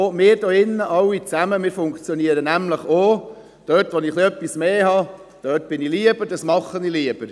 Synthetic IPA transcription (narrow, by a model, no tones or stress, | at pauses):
oːmɪːɾd̥oɪnːəʔɑwːit͡sæməmɪːfʊŋkt͡sjɔniəɾənæmləχo | d̥œtʋonɪχliœpːismeːɦɑ | d̥œːtb̥ɪniliəb̥əɾd̥ɑsmɑχːəniliəb̥əɾ